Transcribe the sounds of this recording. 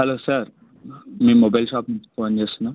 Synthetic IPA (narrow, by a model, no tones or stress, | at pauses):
ɦɛlosəɾ | miːmobajlɕɔpmfond͡ʑesna